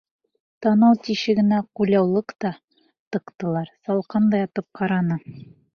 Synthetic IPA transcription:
t̪ɑnɑwt̪iʃɘɡɘ̆næqulʲɑwlˠɤqt̪ɑ | t̪ɤ̆qt̪ɤ̆lˠɑɾsɑlˠqɑnd̪ɑjɑt̪ɤp̚qɑɾɑnɤ

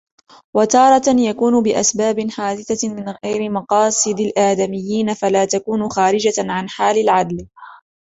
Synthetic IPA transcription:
wat̪ɑːɾˤɑjakuːnʊbɪʔa̰sbaːbɪnħaːd̪ɪθamɪnɣajɾɪmɑqɑːsˤɨd̪alʔaːd̪amɪjːiːnafalaːt̪akuːnʊxaːɾɪd͡ʒaʕanħaːlalʕad̪l

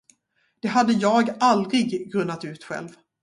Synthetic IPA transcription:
d̪̥ɛɦad̪ːəjɑːɡald̪ɾɪɡɡɾɵnːat̪ʉ̟ːt̪ɧɛ̰lv

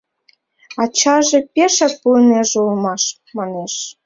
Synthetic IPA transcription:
ɑt͡ɕɑʒepʲeʃɑk̚puneʒeulmɑʃ | mɑneʃ

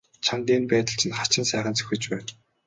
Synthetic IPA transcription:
t͡ɕʰant̪iːnpæːt̪ə̆ɬt͡ɕʰɪ̆nχḁt͡ɕɪ̆nsæːχə̆nt͡sɵ̥xʲɘ̆t͡ɕpæːn

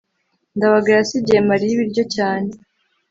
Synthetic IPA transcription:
ndaβaɡajasiɟemaɾijiβiɾɟo̞caːne

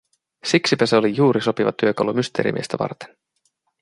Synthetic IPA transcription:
siksipæseo̞lijuːɾʔiso̞piʋɑ̰t̪yøkɑwlumyst̪e̞̰ːɾḭmḭest̪æʋɑ̰rt̪e̥n

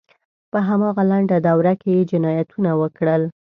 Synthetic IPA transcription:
pəɦamɑɣalaɳɖad̪awɾakejed͡ʒɪnɑjat̪ʰunawəkɽəl

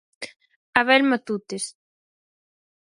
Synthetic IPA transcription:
aβɛlmat̪ut̪es

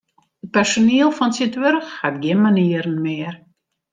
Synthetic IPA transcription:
ət̚pɛrsoniəlˠfɔnsitʋørxhatɡɪnmaniəɾən̩mɪər

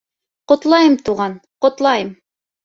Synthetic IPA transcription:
qŏt̪lˠɑjɤmt̪uʁɑnqŏt̪lˠɑjɤm

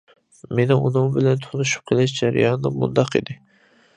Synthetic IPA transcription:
menɪunɨŋbɪlɛnt̪ʰʊnˠɨʃu̥p̚qʰəlˠɪʃd͡ʒæɾɪ̰jɑnːɨmṵnd̪ɑqḭd̪ɪ

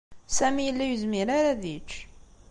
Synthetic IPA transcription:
sæmijəlːæjuzmiɾaɾaðit͡ʃː

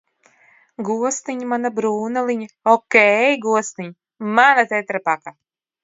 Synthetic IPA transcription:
ɡuɔst̪iɲimanabɾuːnalˠiɲa | ɔkʲɛjɡuɔst̪iɲ | manat̪ɛt̪ɾapaka

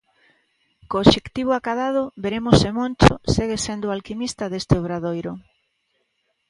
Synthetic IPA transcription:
koːʃekt̪iβ̞ʊakaðað̞ʊbeɾemosemont͡ʃo̰seɣesend̪ʊalkimist̪aðest̪eoβɾaðojɾʊ

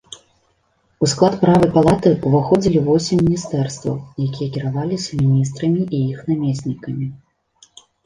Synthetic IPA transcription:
usklˠat̪pɾavɐjpalˠat̪ɨuvaxɔd͡zʲilʲivɔsʲimʲːinʲist̪ɛrst̪vɐ̰wjakʲijɐkʲiɾavalʲisʲɐmʲinʲis̬t̪ɾɐmʲiʔijixnamʲesʲnʲikɐmʲi

